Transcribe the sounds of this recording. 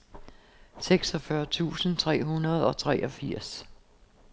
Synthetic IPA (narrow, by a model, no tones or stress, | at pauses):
seɡ̥sɒ̽fɶɐt͡sʰṵːsən̩t͡sʰʁɛ̰ːɦunɐð̞ˠɒ̽t͡sʰʁɛːʔɒ̽fiɐ̰s